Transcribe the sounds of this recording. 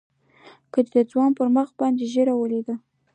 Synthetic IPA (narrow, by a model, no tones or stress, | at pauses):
kəd̪d̪əd͡zwɑnpəɾməxbɑnd̪eʒeɾawəled̪a